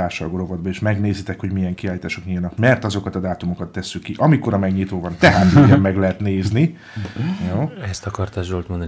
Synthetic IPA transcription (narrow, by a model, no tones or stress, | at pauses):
aːʃɒlɡoɾo̞vɒd̪bɒeːʃmɛɡneːzit̪ɛkho̞ɟmijɛŋkiaːliːt̪aːʃo̞kɲijɒnɒkmɛrt̪ɒzo̞kɒt̪ɒd̪aːt̪umo̞kɒt̪ːɛsːykːiʔɒmiko̞ɾɒmɛɡɲit̪oːvɒnt̪ɛɦaːt̪iɛmːɛɡlɛɦɛt̪neːzni | joːɛst̪ɒkɒrt̪ɒʒolt̪mond̪